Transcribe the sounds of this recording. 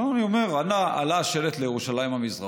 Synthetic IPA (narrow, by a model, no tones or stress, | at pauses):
oanio̞me̞ʁanaa̰laʃe̞let̪lejeʁuʃalaimhamizʁa